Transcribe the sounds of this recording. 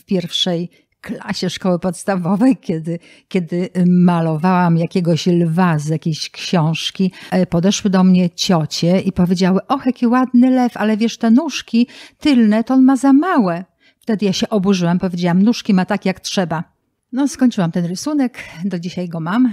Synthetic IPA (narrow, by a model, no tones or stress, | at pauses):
fpʲjɛɾfʂɛj | kla̰ɕɛʂkɔwɘpɔt̪st̪avɔvɛjkʲɛd̪ɘ | kʲɛd̪ɘmalɔvawamjakʲɛɡɔɕlvazjakʲeɕkɕɔ̃w̃ʂkʲipɔd̪ɛʂwɘd̪ɔmɲɛt͡ɕɔt͡ɕɛipɔvʲjed͡ʑawɘʔɔxɛkʲiwad̪nɘlɛfalɛvʲjɛʂt̪ɛnuʂkʲit̪ɘlnɛt̪ɔɔnmazamawɛ | ft̪ɛd̪ɘjaɕɛʔɔbuʐɘwampɔvʲjed͡ʑawamnuʂkʲimat̪akʲjaktʂɛba | nɔskɔɲʲt͡ʂɨwamt̪ɛnɾɘsunɛkd̪ɔd͡ʑiɕajɡɔmam